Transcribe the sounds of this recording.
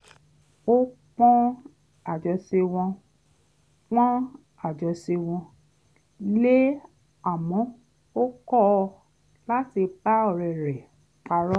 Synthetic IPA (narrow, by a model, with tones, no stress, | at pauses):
o˦k͡pɔ̃˦ | a˦˨d͡ʒɔ˧se˧w̃ɔ̃˧ | k͡pɔ̃˦ | a˨d͡ʒɔ˧se˧w̃ɔ̃˧ | le˦ | a˨mɔ̃˨˦ | o˦kɔ˦˧ | la˦ti˧ba˦ɔ˦˨ɾɛ˨ɾɛ˨ | k͡pa˧ɾɔ˦